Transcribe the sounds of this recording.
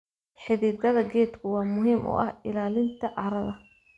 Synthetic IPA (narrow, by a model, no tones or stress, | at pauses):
ħɪðiːd̪ɐðɐɡɛːd̪kʰʊwɑːmʊɦiːmʔʊ̰ːʔɐhɪlaːlɪnt̪ʰɐʕɑɾɐðɐ